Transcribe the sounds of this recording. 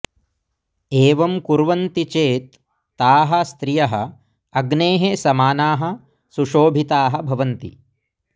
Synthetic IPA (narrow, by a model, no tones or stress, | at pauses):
eːʋɐmkuɾʋɐnt̪it͡ʃeːt̪̚ː | aːɦɐst̪ɾijɐɦɐ̰̆ | ɐɡneːɦesɐmaːnaːɦɐ̆ | suʃoːbʱit̪aːɦɐbʱɐʋɐnt̪ḭ